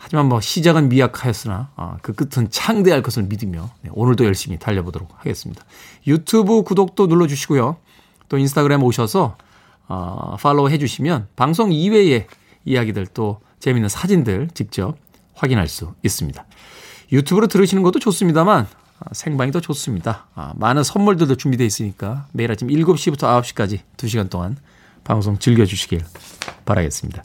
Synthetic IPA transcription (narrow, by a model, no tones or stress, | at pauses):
had͡ʑimanmʌɕʰid͡ʑaɡɯnmiakʰajʌs͈ɯna̰ʌ̰kɯk͈ɯtʰɯnt͡ɕʰaŋde̞aɭk͈ʌsʰɯɭmidɯmjone̞̰ʔonɯɭdojʌɭɕ͈imitaʎːʌbodoɾok̚haɡe̞̰s͈ɯmɲid̥a | jutʰubɯkudok̚t͈onuɭːʌd͡ʑuɕʰiɡojo | t͈oinsʰtʰaɡɯɾemoɕʰʌsʰʌ | ʌ̰fʰaɭːoɦe̞d͡ʑuɕʰimjʌnpaŋs̬ʰoŋiwe̞e̞ | ijaɡidɯɭt͈o | t͡ɕe̞minːɯnsʰad͡ʑindɯɭt͡ɕik̚t͡ɕ͈ʌp̚ | ɸwaɡinɦa̰ɭs͈uis͈ɯmɲida | jutʰubɯɾɯtɯɾɯɕʰinɯnɡʌt͈ot͡ɕos͈ɯmɲidaman | ʌsʰe̞ŋbaŋidot͡ɕos͈ɯmɲida̰manɯnsʰʌnmuɭdɯɭdot͡ɕumbide̞is͈ɯɲik͈ame̞iɾat͡ɕʰimiɭɡup̚ɕ͈ibutʰʌaʌp̚ɕ͈i̥k͈ad͡ʑituɕ̬ʰiɡant͈oŋan | pa̰ŋsʰoŋt͡ɕɯɭɡjʌd͡ʑuɕʰi̥ɡiɭpaɾa̰ɡe̞̰s͈ɯmɲid̥a